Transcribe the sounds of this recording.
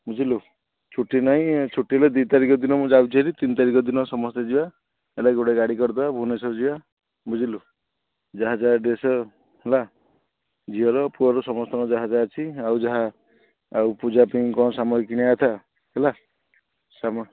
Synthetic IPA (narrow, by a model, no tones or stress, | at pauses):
bud͡ʒʱilu | t͡ʃʰuʈːinaɦĩt͡ʃʰuʈːiɦeled̪wit̪aɾikɔd̪inɔmũd͡ʒawt͡ʃʰiɦeɾit̪int̪aɾikɔd̪inɔsɔmɔst̪ed͡ʒia | elaɡoɽeɡaɽikɔɾt̪abʱunesɔd͡ʒiwa | bud͡ʒʱilu | d͡ʒaɦad͡ʒaɖesɔ | ɦela | d͡ʒiɦɔlɔpuɔɾɔsɔmɔst̪ɔɾɔd͡ʒaɦad͡ʒaːt͡ʃʰiawd͡ʒaɦaː | wpud͡ʒapĩŋkɔsamɔɦikiɽ̃aat̪ʰa | ɦela | samɔ